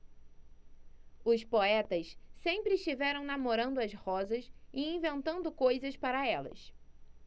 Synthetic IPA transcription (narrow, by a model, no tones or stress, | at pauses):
ʊspoɛt̪ɐssẽmpɾɪːʃt͡ʃivɛɾɐ̃w̃namoɾɐ̃nd̪ʊɐshɔzɐsɪĩvẽnt̪ɐ̃nd̪ʊkojzɐspaɾɐɛlɐ̰s